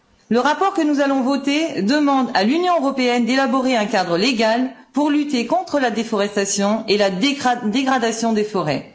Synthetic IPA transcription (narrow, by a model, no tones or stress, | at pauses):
ləʁapɔʁkənuzalɔ̃vɔt̪ed̪əmɑ̃d̪alynjɔ̃øʁɔpeɛnd̪elabɔʁeɛ̃kad̪ʁəleɡalpuʁlyt̪ekɔ̃t̪χəlad̪efɔʁɛst̪asjɔ̃elad̪eɡʁad̪asjɔ̃d̪efɔʁɛ